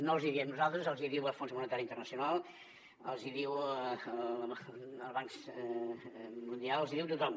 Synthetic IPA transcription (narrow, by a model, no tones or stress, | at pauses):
nolˠziðiəmnuzalˠt̪ɾəzəlˠziðiwəlfonzmunət̪aɾjint̪ərnəsiunalˠ | ə̰lˠziðiwə | əlˠβaŋks | mund̪ialəlˠziðiwt̪ut̪ɔm